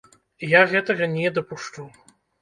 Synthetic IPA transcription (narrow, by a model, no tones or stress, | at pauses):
jaɣɛt̪ɐɣɐnʲɛd̪ɐpuʂt͡ʂuw